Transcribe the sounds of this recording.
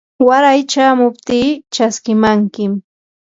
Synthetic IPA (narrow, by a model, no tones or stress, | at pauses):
waɾajt͡ʃaːmʊp̚t̪iːt͡ʃaskɪmaŋkɪm